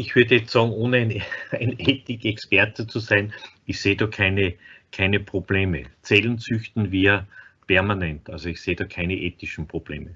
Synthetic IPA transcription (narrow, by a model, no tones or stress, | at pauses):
ɪçv̥yɐdəjɛt͡stsɑːɡŋ̩oːnəæɪnæɪneːtɪkɛkspɛɐtət͡susæɪn | ɪçseːdɑːkʰæɪnəkʰæɪnəpʁ̥ob̥leːmə̰t͡sɛlənt͡sʏçtn̩viːɐpʰɛɐmanɛntʔalzoɪçseːdɑːkʰæɪnəʔeːtɪʃn̩pʁ̥ob̥lḛːmə